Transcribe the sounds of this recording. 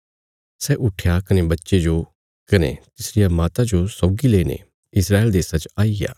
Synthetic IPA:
sɛʔʊʈʰjakɐnebɐtːʃed͡ʒo | kɐnḛt̪ɪsɾɪjamaːt̪ad͡ʒosɔːɡileːnḛ | ɪsɾaːeːld̪eːsat͡ʃaːija̰ː

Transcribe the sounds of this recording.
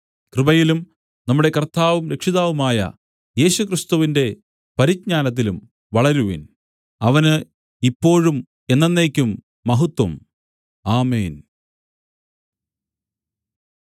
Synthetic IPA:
krɨbɐjilum | nɐmːuɽe̞kɐrt̪ːaːʋɐmɾe̞kʂiðaːʋumaːjɐ̰ | je̞ːɕukrist̪uʋinde̞ | pɐɾid͡ʑ̚ɲaːnɐt̪̬ːilum | ʋɐɭɐɾuʋḭn | ɐʋɐnɨ | ipːo̞ːɻum | e̞nːenːe̞ːkʲːumː | ɐɦut̪ːwɐm | aːmeːn

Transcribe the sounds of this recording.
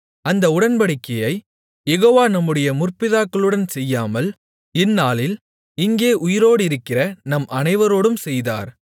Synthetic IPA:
ɐnd̪ɐʊɽɐnbɐɽɪkːɐjɐɪ | jɛɣoːʋaːnɐmːɯɽɐjɐmʊrpɪðaːkːɐɭɯɽɐnsɛjːaːmɐl | ɪnːaːlɪl | ɪŋɡeːʔʊjɪɾoːɽɪɾɯkːɪrɐnɐmʔɐnɐɪʋɐɾoːɽɯmsɛjða̰ːɾ

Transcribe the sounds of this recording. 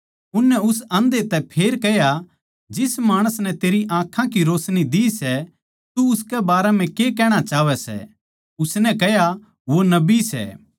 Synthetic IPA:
ʊnːɛʊsɐ̃nd̪et̪ɛpʰeːɾkɛɦja | d͡ʒɪsmaːɽ̃əsnɛt̪eːɾiʔãːkʰãkiɾoːsnid̪iːsɛ | t̪uʊskɛbaːɾɛm̤ɛ̃kekɛːɽ̃at͡ʃaːʋɛsɛ̰ | ʊsnɛkɛja | ʋonɐbisɛ̰

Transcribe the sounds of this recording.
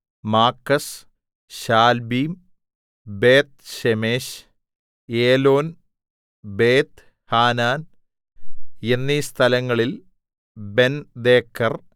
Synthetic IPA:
maːkːɐs | ɕaːlbiːm | beːt̪̚ɕemeːɕ | eːlo̞ːn | beːt̪ | haːnaːn | enːist̪ʰɐlɐŋːɐɭil | be̞nd̪eːkʰːɐr

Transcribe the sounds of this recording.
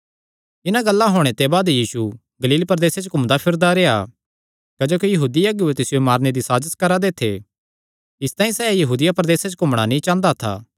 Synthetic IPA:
ɪnaɡɐlːaɦoːɽ̃et̪ebaːd̪jiːsu | ɡɐliːlpɾd̪eːset͡ʃokʊmd̪apʰɪɾd̪aɾeːa̰ | kɐd͡ʒoːkijɐɦuːd̪iɐɡjuet̪ɪsɪjomaːɾned̪isaːd͡ʒəskɐɾad̪eːt̪ʰːḛ | ɪst̪aːĩsɛːjɐɦuːd̪ɪjapɾɐd̪eːset͡ʃkʊmɽ̃anĩt͡ʃãːnd̪at̪ʰa̰ː

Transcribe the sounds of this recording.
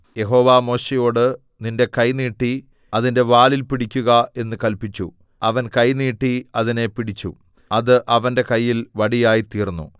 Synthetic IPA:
je̞ɦo̞ːʋaːmo̞ːɕejo̞ːɽɨ | ninde̞kɐjniːʈːi | ɐðinde̞ʋaːlilpiɽikʲːuɣɐe̞nːɨkɐlpit͡ɕːu | ɐʋɐnkɐjniːʈːiɐðine̞piɽit͡ɕːṵ | ɐðɨʔɐʋɐnde̞kɐjːilʋɐɽijaːjit̪iːrnːṵ

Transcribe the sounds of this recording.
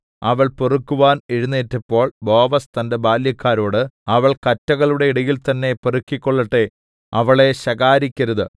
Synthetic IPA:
ɐʋɐɭporukːuʋaːneɻunːeːtːɐpːo̞ːɭbo̞ːʋɐst̪ɐnde̞baːljɐkːaːɾo̞ːɽɨɐʋɐɭkɐtːɐɣɐɭuɽe̞iɽɐjilt̪ɐnːe̞porukːikʲːo̞ɭːɐʈːe | ɐʋɐɭe̞ɕɐɣaːɾikʲːɐɾɐðɨ

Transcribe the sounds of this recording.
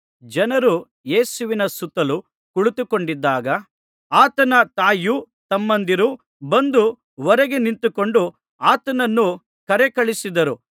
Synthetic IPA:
d͡ʒɐnɐɾu | je̞ːsuʋinɐsut̪ːɐlu | kuɭut̪uko̞ɳɖid̪ːaːɡɐ | aːt̪ɐnɐt̪aːju | t̪ɐmːɐnd̪iɾu | bɐnd̪u | ʋɔɾɛɡe̞nint̪uko̞ɳɖu | aːt̪ɐnɐnːu | kɐɾɛkɐɭisid̪ɐɾu

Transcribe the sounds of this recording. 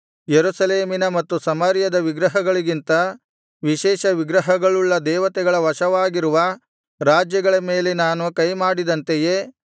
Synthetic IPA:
jeɾusɐleːminɐmɐt̪ːusɐmɐɾjɐd̪ɐʋiɡɾɐɦɐɡɐɭiɡint̪ɐ | ʋiʃɛːʃɐʋiɡɾɐɦɐɡɐɭuɭːɐd̪ɛːʋɐt̪ɛɡɐɭɐʋɐʃɐʋaːɡiɾuʋɐ | ɾaːd͡ʒjɐɡɐɭɐmeːlenaːnukɐjmaːɽid̪ɐnt̪ejeː

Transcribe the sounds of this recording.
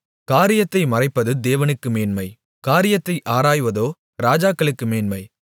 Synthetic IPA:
kaːɾɪjɐt̪ːɐɪmɐrɐɪpːɐðɯd̪eːʋɐnɯkːɯmeːnmɐɪ | kaːɾɪjɐt̪ːɐɪʔaːɾaːjʋɐðoː | ɾaːd͡ʒaːkːɐɭɯkːɯmeːnmɐɪ

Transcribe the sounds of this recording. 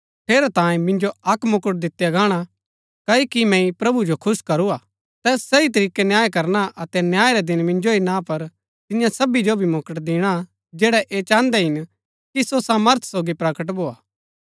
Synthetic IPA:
t̪ʰeːɾɛt̪ãːẽmɪ̃nd͡ʒoɐkmʊkəʈ̚d̪ɪt̪ːjaɡaːɽ̃a | kɐikimɛ̃ĩpɾɐbud͡ʒokʰʊskɐɾuaː | t̪ɛːsːɐit̪̬ɐɾiːkenjaːjkɐɾnaʔɐt̪ɛnjaːeɾɛd̪ɪnmɪ̃nd͡ʒoinãpɐɾ | t̪ɪnjãsɐbid͡ʒobʱimoːkəʈd̪ɪːɽ̃a | d͡ʒɛːɽɛʔeːt͡ʃãːnd̪ɛɦɪn | kisosãːməɾt̪ʰsoːɡipɾɐkəʈ̬bʱoːaː

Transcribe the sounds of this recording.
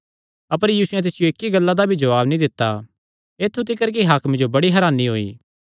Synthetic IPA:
ɐp̬əɾjiːsʊjɛ̃t̪̬ɪsɪjoɪkːiɡɐlːad̪abʱid͡ʒɐʋaːbnĩd̪ɪt̪ːa | eːt̪ʰːut̪ɪkəɾk̬iɦakʰmɪ̃d͡ʒobɐɽiɦɐɾaːniɦoːḭː

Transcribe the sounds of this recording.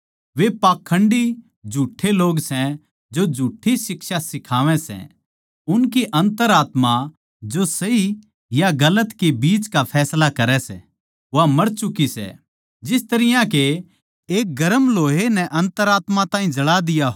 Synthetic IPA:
ʋepaːkʰːə̃ɳɖi | d͡ʒʱuːʈʰːeloːɡsɛ̃ | d͡ʒod͡ʒʱuːʈʰːisɪkʃasɪkʰaːʋɛ̃sɛ̰̃ | ʊnkiʔɐ̃nt̪əɾaːt̪ma | d͡ʒosɐi | jaɡɐlət̪kebiːt͡ʃkapʰɛːslakɐɾɛsɛ̰ | ʋamɐɾt͡ʃʊkisɛ̰ | d͡ʒɪst̪ɐɾɪjãke | eːk̚ɡɐɾəmloːɦenɛʔɐ̃nt̪əɾaːt̪mat̪ãːĩd͡ʒɐɽad̪ɪja

